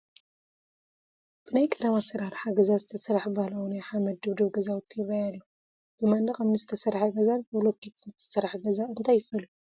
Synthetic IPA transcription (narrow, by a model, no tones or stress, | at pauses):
b̥ɨnajkʼɐd̪ɐmasɐɾaɾħaɡɐzazɨt̪ʰɐsɐɾaħbahlawunajħamɐd̪ɨβd̪ɨβɡɐzawt̪ʰːjɪrajalju | b̥ɨmand̪ɐkɐmnɨzɨt̪ʰɐsɐɾħaɡɐzanbɨlokːit̪nzɨt̪ʰɐ̥sɐɾħɡɐzaɨnt̪ʰajɪfɨlu